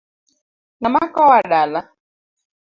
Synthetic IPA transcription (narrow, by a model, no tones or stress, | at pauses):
namakawaɗala